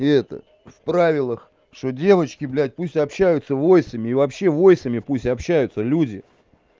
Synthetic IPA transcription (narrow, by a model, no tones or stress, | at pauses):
ɛt̪ə̰ | fpɾavʲɪlˠəx | ʂt̪odʲe̞vət͡ɕkʲɪblʲæt̚ʲpusʲtʲɐpɕːæjʊt̪səvo̞jsəmʲɪivɐpɕːe̞vo̞jsəmʲɪpusʲtʲɐpɕːæjʊt̪səlʲudʲɪ